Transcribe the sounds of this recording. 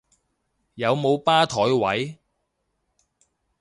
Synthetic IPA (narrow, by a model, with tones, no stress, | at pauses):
jɐ˨˧wmo˨˧wpaː˥t̪ʰɔː˨˥jwɐ˨˥j